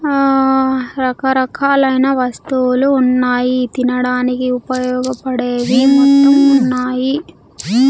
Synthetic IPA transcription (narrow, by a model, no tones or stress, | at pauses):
ɾɐkɐɾɐkʰaːlɐjnɐʋɐst̪uluːnːaːjit̪inɐɽaːnikiupɐjɔːɡɐpɐɽeːʋimund̪ɐmunːaːji